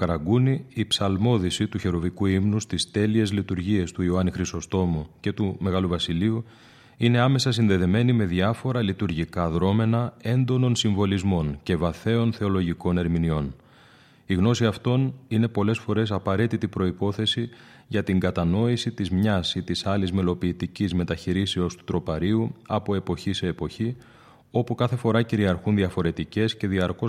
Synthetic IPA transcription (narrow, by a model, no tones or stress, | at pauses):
ɐɾɐɡuniːpsɐlmo̞ðisit̪uçe̞ɾo̞vikuimnust̪ist̪e̞lie̞zlit̪uɾʝie̞st̪uioɐnixɾist̪o̞st̪o̞muce̞t̪ume̞ɣɐluvɐsiliu | ine̞ɐme̞sɐs̬inðe̞ðe̞me̞nime̞ðiɐfo̞ɾɐlit̪uɾʝikɐðɾo̞me̞nɐe̞nd̪o̞no̞nsiɱvo̞lizmo̞nce̞vɐθe̞o̞nθe̞o̞lo̞ʝiko̞ne̞ɾminio̞n | iɣno̞siɐft̪o̞nine̞po̞le̞sfo̞ɾe̞s̬ɐpɐɾe̞t̪it̪ipɾo̞ipo̞θe̞si | ʝɐt̪iŋɡɐt̪ɐno̞isit̪izmɲɐsit̪isɐlizme̞lo̞piːt̪icizme̞t̪ɐçiɾiseost̪u̥t̪ɾo̞pɐɾiuɐpo̞e̞po̞çise̞ːpo̞çi | o̞pukɐθe̞fo̞ɾɐciɾiɐɾxunðiɐfo̞ɾe̞t̪ice̞sce̞ðiɐɾko